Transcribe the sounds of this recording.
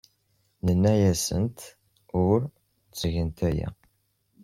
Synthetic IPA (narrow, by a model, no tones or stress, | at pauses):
nənːæjæsə̰nt̪ | ʊɾ | t͡sʝənt̪æjæ̰